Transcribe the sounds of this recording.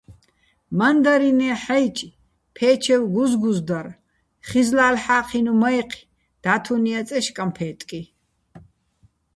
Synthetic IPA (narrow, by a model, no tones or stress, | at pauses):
mand̪aɾinɛːħajt͡ʃʼ | pʰɛːt͡ʃʰɛwɡuzɡuzd̪aɾ | χizlaːlħaːqʰinumajqʰ | d̪̥aːt̪ʰuniat͡sʼɛʃkʼampʰɛːt̪ʼkʼi